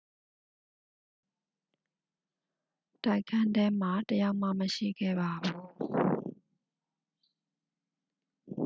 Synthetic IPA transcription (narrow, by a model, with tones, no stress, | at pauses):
ta˦ɪkʰã˦ndɛ˦m̥a˨təja˦ʊʔm̥a̰˦˨məʃḭ˦˨ɡɛ̰˦˨ba˨bu˦˨